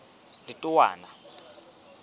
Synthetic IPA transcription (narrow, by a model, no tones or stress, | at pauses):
litʼuwa̰ːna